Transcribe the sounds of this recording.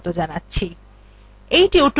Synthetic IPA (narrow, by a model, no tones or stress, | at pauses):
t̪od͡ʑanatːɕʰi | ejʈioʈ